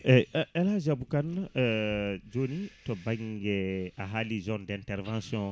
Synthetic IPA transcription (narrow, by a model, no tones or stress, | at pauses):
ɛɛlazabukan | d͡ʒonitɔbaŋɡɛaɦalizɔ̃ndɛ̃ntɛɾvãsjɔ̃